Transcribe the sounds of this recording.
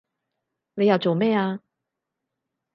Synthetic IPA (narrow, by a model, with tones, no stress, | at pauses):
ne˨˧ja˨˩wt͡so˨˩wmɛː˥˩aː˧